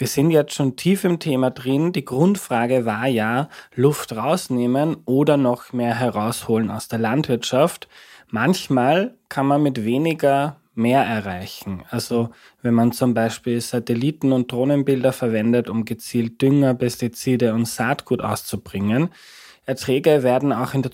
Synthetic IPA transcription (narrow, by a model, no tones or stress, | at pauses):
viːɐz̥ɪntjɛt͡stʃoːntʰiːfɪmtʰeːmadʁɪnd̥iːɡ̥ʁʊntfʁ̥aːɡəvaːɐjaːlʊftʁaʊsneːmənʔoːdɐnɔxmeːɐɦɛʁaʊshoːləna̰ʊsd̥eːɐlantv̥ɪɐtʃaftmançmaːlkʰanmanmɪtv̥eːnɪɡɐ | meːɐʔɛɐʁaɪçn̩ʔalzo | vɛnmant͡sʊmbaɪʃpiːlzatɛliːtn̩ʊnt̚d̥ʁoːnənbɪldɐfɛɐvɛndətʊmɡət͡siːlt̚d̥ʏŋɐpʰɛstit͡siːdəʊntsaːtɡ̥uːtʔa̰ʊst͡sub̥ʁɪŋən | ʔɛɐtʁ̥ɛːɡəveːɐdn̩aʊxɪndeɐ